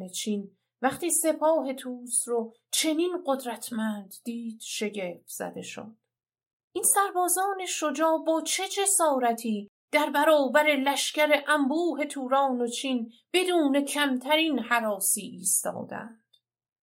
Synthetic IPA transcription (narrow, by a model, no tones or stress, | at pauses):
net͡ʃʰin | væχt̪iːse̞pʰɒːɦe̞t̪ʰuːsɾo | t͡ʃʰe̞ninɢo̞d̪ɾæt̪ʰmænd̪̥ːiːd̪̥ʃe̞ɟe̞ft̪z̥æ̰d̪e̞ʃo̰d̪̥ | ʔinsæɾbɒːzɒːne̞ʃo̞d͡ʒɒːbɒːt͡ʃʰe̞d͡ʒe̞sɒːɾæt̪ʰiː | d̪̥æɾbæɾɒːbæɾe̞læʃcæɾe̞ʔæmbuːɦe̞t̪ʰuːɾɒːno̞t͡ʃʰiːnb̥e̞d̪uːne̞cʰæmt̪ʰæɾiːnhæɾɒːsiːʔiːst̪ɒ̰ːd̪æ̰nd̪̥